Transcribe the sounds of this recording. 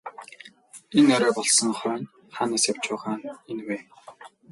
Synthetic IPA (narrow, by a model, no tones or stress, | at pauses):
enɔɾœːpɔɮsə̆ŋχœːn | χaːnaːsjaw̥t͡ɕʊːχaːnenweː